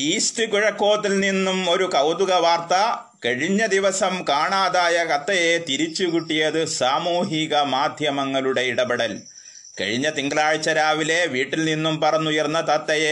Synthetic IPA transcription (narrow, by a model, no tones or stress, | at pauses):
iːstɨkuɻɐkːo̞ːt̪ːilninːumo̞ɾukɐwd̪uɣɐʋaːrt̪ɐ | kɐɻiɲːɐd̪iʋɐsɐmkaːɳaːðaːjɐkɐt̪ːɐjet̪iɾit͡ɕːukuʈːijɐðɨsaːmuːɦiɣɐmaːd̪ʱjɐmɐŋːɐluɽe̞iɽɐbɐɽɐl | kɐ̰ɻiɲːɐt̪iŋɡɐlaːɻit͡ɕːɐɾaːʋile̞ʋiːʈːilninːumpɐrɐɲːujɐrnːɐt̪ɐt̪ːɐje